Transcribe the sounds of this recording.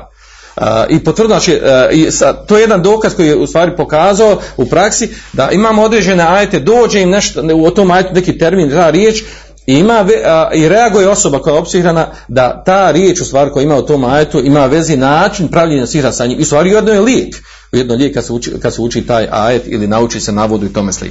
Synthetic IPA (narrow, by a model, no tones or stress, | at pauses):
ipot̪ʋɾrd̪onat͡ʃiisat̪oːje̞jed̪and̪o̞ːkazko̞jijeust̪ʋaːɾipo̞kaːzaoupɾaksid̪aʔimaːmoo̞d̪ɾeːd͡ʑe̞ne̞aːje̞t̪e̞d̪o̞ːd͡ʒeimneʃt̪ot̪oːmaːje̞t̪une̞kiːt̪e̞ɾmiːnt̪aːɾjeːt͡ʃ | iimaːʋeiɾe̞aɡujeo̞so̞bakojao̞psihɾana | d̪at̪aːɾjeːt͡ʃust̪ʋaːɾiko̞jaimaːut̪o̞ːmaːjet̪uimaːʋe̞zinaːt͡ʃinpɾaʋʎeɲasihɾasaːɲeʔiust̪aːɾijed̪nojeljieːk | ujed̪noʎeːkːad̪suḭkad̪seut͡ʃiːt̪aːja̰ːje̞t̪ḭlinaut͡ʃiːse̞naʋod̪uit̪o̞meslḭk